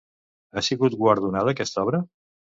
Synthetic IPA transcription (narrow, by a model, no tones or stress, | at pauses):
asiɣut̪̚ɡwəɾð̞unaðəːkɛst̪ɔβɾə